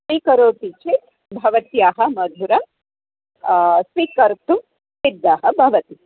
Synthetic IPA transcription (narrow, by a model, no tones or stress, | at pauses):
sʋikɐɾoːt̪it͡ʃet̪ | bʱɐʋɐt̪jaːɦɐ̆mɐd̪ʱuɾɐm | sʋikɐɾt̪u | sid̪ːaːɦɐbʱɐʋɐt̪i